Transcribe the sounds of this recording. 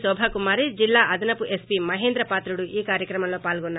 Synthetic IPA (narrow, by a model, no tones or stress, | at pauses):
sɔːbʱɐkumaːɾid͡ʒilːaːʔɐd̪ɐnɐpuʔespiːmɐɦeːnd̪ɾɐpaːt̪ɾuɽuʔiːkaːɾjɐkɾɐmɐmlo̞ːpaːlɡɔnːa